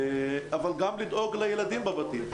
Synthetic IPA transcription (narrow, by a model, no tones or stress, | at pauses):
avalɡamlid̪ʔoɡlajelad̪imbabat̪i